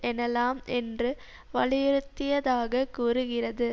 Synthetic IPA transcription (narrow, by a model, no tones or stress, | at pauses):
ʔɛnɐlaːmɛndrɯ | ʋɐɭɪjɪɾɯt̪ːɪjɐðaːɣɐkuːɾɯɣɪrɐðɯ